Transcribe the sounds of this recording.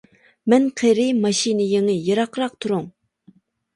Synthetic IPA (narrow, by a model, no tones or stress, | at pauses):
mɛnqʰeɾɪmɑʃinɨjeŋɪjeɾɑqʰɾɑq̚t̪ʰuɾuŋ